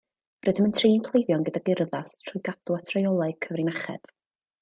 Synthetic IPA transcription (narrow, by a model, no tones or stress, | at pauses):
rɨdəməntʰriːnkʰlˠejvjɔnɡədaɡɪrðastʰrʊjɡad̥uatʰrajɔlˠaɨkʰəvrinaχɛ̰d̥